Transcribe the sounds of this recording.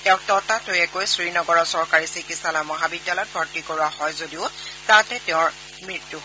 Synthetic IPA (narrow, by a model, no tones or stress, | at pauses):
tɛʊ̃k̚tɔtatojɛkojsɹinɔɡɔɹɔsɔɹkaɹisikisalamɔɦabidːalɔjt̚bʱɔɹtikoɹuahɔjzodiʊtatɛtɛʊ̃ɹ | mɹitːuɦ